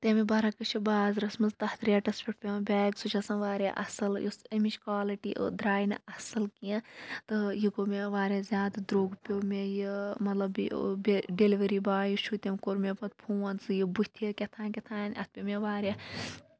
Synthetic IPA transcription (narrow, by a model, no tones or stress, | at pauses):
t̪emibɐɾakɨt͡ʃʰibaːzɾɐsmɐzt̪ɐht̪ɾʲeːʈɐspʰʲiʈpʲembʲɛːɡsut͡ʃʰɐsɐnʋaːɾʲja̰ʔɐsɨljusɐmit͡ʃkwaːliʈiːʔɨ̰d̪ɾaːjinɐsɨlkĩt̪ɨjiɡomeʋaːɾʲaːzʲjaːd̪d̪ɾoːɡpʲomʲejimɐt̪lɐbḭbeɖeliʋɐɾibaːjut͡ʃʰut̪ʲemʲkoɾmʲepɐt̪̚pʰuːɐnt͡sɨjibut̪ʰikʲet̪ʰaːkʲet̪ʰaːnʲɐ̰t̪̚ʰpʲimʲeʋaːɾʲaː